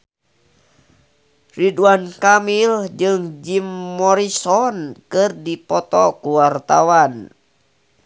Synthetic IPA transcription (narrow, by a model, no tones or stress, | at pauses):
riduankamild͡ʒɨŋd͡ʒimːɔɾisɔnkɨrdipɔt̪ɔkuwart̪awan